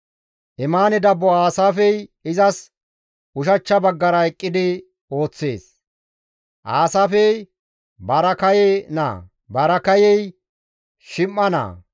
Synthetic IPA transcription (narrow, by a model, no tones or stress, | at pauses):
ʔɪmaːnɪd̪ɐbːɔaːsaːfɛjɪzɐs | ʊʃ̬ɐt͡ʃːɐbɐɡːɐɾɐɛkʼːɪd̪ɪ | o̞ːt͡sːḛːs | ʔaːsaːfɛj | bɐɾɐkɐjɛna̰ː | bɐɾɐkɐjɛj | ʃɪmːɐnɐ̰ː